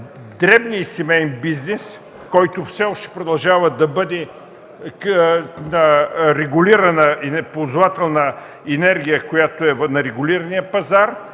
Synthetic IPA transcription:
d̪ɾɛbniisɛmɛjnbiznɛs | kɔjt̪ofsɛɔʃt̪ɛ̥pɾod̪ɐlˠʒavəd̪ɐbɤd̪ɛ | nɐɾɛɡʊliɾɐnəinɛpozʊvat̪ɛlˠnɐ | ɛnɛɾɡ̟ʲijəkojat̪oɛvnɐɾɛɡʊliɾɐnijəpɐzaɾ

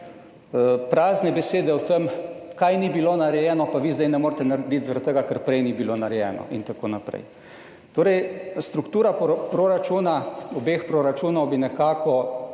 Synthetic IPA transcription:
pɾaːznɛbɛseːd̪ɛwt̪əmkajnibiloːnaɾɛjɛːnɔpaʋiːzd̪ɛjnɛmoːɾt̪ɛnaɾɛd̪it̪zaɾat̪ːəɡakəɾpɾɛjnibiloːnaɾɛjɛ̰ːnɔ̰ʔḭnt̪akoːnapɾɛ̰j | t̪oːɾɛjst̪ɾukt̪uːɾappɾoɾat͡ʃuːnaɔbeːxpɾoɾat͡ʃuːnɔwbinɛkaːkɔ

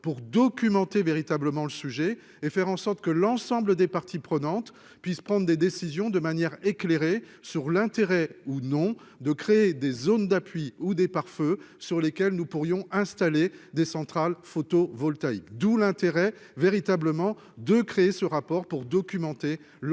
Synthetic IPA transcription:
puʁd̪ɔkʲymɑ̃t̪eveʁit̪abləmɑ̃ləsyʒɛ | efɛʁɑ̃sɔʁt̪kəlɑ̃sɑ̃bləd̪epaʁt̪ʰipχənɑ̃t̪ | pɥispχɑ̃d̪ʁd̪ed̪esizjɔ̃d̪əmanjɛʁekleʁe | syʁlɛ̃t̪eʁɛunɔ̃ | d̪əkχeed̪ezond̪apɥiud̪epaʁfø | syʁlekʲɛlnupuʁjɔ̃ɛ̃st̪aled̪esɑ̃t̪χalfot̪ovɔlt̪aikd̪ulɛ̃t̪eʁɛ | veʁit̪abləmɑ̃ | d̪əkχeesəʁapɔʁpuʁd̪ɔkʲymɑ̃t̪e

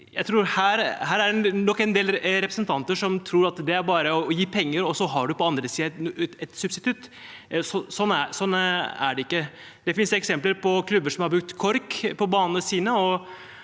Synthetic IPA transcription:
jæɪt̪ʰɾuːɾhæːɾɦæːɾæɖɛnɔkːɛnd̪eːlɾɛpɾəsnt̪ʰɑnt̪əʂɔmt̪ʰɾuːɾɑt̪d̪ɛæɾbɑːɾəɔɔjiːpʰɛŋːəɾɔsɔɦɑɖʉpɔɑnd̪ɾəsiːəɛt̪sʉbst̪ɪt̪ʰʉt̪ː | sɔsɔnːæsɔnːæ̰ɖɛɪkːə | d̪̥ɛfɪnsɛksɛmpləɾpʰɔkʰlʉbːəʂɔmhɑɾbɾʉk̚t̪kʰɔɾkpʰɔbɑːnənəsiːnəɔ

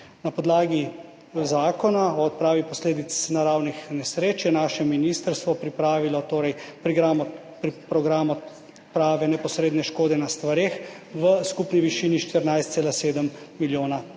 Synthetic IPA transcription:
napɔd̪laːɡi | zaːkɔnaɔɔt̪̚pɾaːʋipɔsleːd̪it̪snaɾawnixnɛsɾeːt͡ʃjɛnaːʃɛminist̪əɾst̪ʋɔpɾipɾaːʋilɔt̪oːɾɛjpɾiɡɾaːmɔ | pɾipɾɔɡɾaːmɔ | pɾaːʋɛnɛpɔsɾeːd̪nɛʃkoːd̪ɛnast̪ʋaɾeːx | ʋəskupniʋiʃiːniʃt̪əɾnajst̪seːlaseːd̪əmːiljoːna

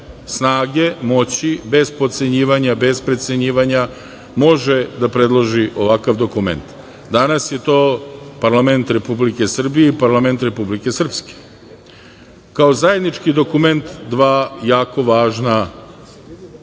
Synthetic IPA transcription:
snaːɡe̞mo̞t͡ɕibe̞zpo̞t̪t̪se̞ɲiːʋaɲabe̞zpɾe̞t̪seɲiːʋaɲa | mo̞ʒe̞d̪apɾe̞d̪lˠo̞ʒiʔo̞ʋakaʋd̪o̞kume̞̰nt̪ | d̪anasje̞t̪o̞ːpaɾlˠame̞nt̪ɾe̞publike̞sr̩bijeipaɾlˠame̞nt̪ɾe̞publike̞sr̩pske̥ | kaozaje̞d̪nit͡ʃkid̪o̞kume̞nt̪d̪ʋaːjaːko̞ʋaːʒna

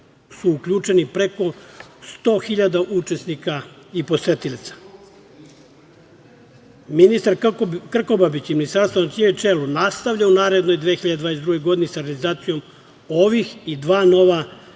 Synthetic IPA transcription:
suukʎut͡ʃe̞nipɾeko̞st̪o̞ːxiʎad̪aʔut͡ʃe̞snikaipo̞se̞t̪ilit̪sḁ | minist̪aɾkr̩ko̞babit͡ɕiminist̪aɾst̪onat͡ʃiɲet͡ʃelunast̪aʋʎaunaːɾe̞d̪no̞jd̪ʋexiʎad̪ed̪vaːesd̪ɾuɡe̞jɡo̞d̪inisaoɾɡanizaːt̪sijo̞m | oʋixid̪ʋaːno̞ʋa

